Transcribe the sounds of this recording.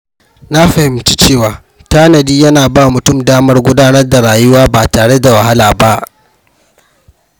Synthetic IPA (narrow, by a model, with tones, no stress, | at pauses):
na˦ɸɐ˨hɪ˨mt͡ʃi̥ː˦t͡ʃeː˦˨waː˨ | taː˦nɐ˨diː˦jɐ˦naː˨baː˦mʊ˨tʊ˦mdaː˦mɐ˦rɡʷʊ˦daː˦nɐ˦rda˨ɽaː˨jʊ˦waː˦baː˨taː˨ɽe˦da˨wɐ˨ɦa˦laː˨ba˦ʔ